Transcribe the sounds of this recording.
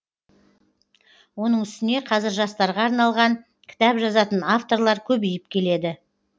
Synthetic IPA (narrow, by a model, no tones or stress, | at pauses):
wo̞n̪əɴʏst̪ɪne̞qʰɑzɪɾʒɑst̪ɑɾʁɑːɾnɑlˠʁɑɴ | kʲʰɪ̥t̪ɑpʒɑzɑt̪ənaft̪o̞ɾlˠɑɾkʲʰɵbijɪp̚kʲʰe̞le̞d̪ɪ